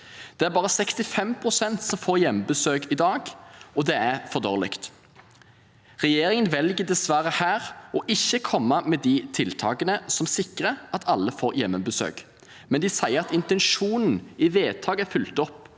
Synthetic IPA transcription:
d̪̥ɛæɾbɑːʁəsɛkst̪ɪfɛmpʰʁʊsɛnt̪sɔmfoːʁjɛmbəsøːkɪd̪ɑːɡɔd̪ɛæʁfɔʁd̪o̰ːʁlɪ̰kt̪ | ʁɛjeːɾɪŋənʋɛlɡəd̪ɛsʋæɾəhæːʁɔʔɪçːəkʰɔmːəmɛd̪ɪt̪ʰɪlt̪ʰɑːɡənəsɔmsɪkʁəʔɑt̪ʰɑlːəfoːɾjɛmːəbəsø̰ːk | mɛnd̪ɪsæɪəʁɑt̪ɪnt̪ɛnʃuːnn̩ɪʋeːt̪ʰɑːɡəæfʉlt̪ɔpː

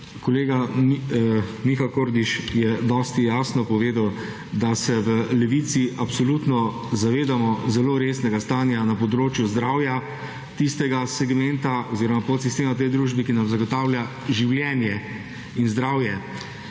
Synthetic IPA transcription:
kɔleːɡa | mixakoːɾd̪iʃjɛd̪ɔːst̪ijaːsnɔpɔʋeːd̪aw | d̪asɛʋəlɛʋit̪siʔapsɔlut̪nɔ | zaʋeːd̪amɔzɛloːɾesnɛɡast̪aːnjanapɔd̪ɾoːt͡ʃjuzd̪ɾawja | t̪ist̪ɛɡasɛɡmɛnt̪aoziːɾɔmapot̪sist̪eːmat̪̬ɛjd̪ɾuːʒbikinamzaɡɔt̪aːwlja | ʒiwljɛːnjɛ | inzd̪ɾaːwjɛ

